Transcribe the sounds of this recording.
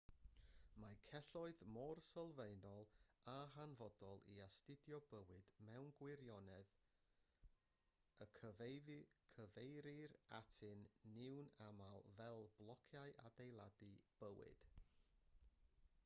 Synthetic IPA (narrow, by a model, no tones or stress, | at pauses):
makʰɛɬɔɨðmɔrsəlˠveɨnɔlˠaɦanvɔdɔlˠḭastɪdjɔbəwɨd̥mɛwnɡwɪɾjɔnɛð | əkʰəvkʰəvejɾɪratʰɨnːɪwnamalˠvɛlˠblˠɔkʰjaɨʔa̰dejlˠadib̥əwɪ̰d̥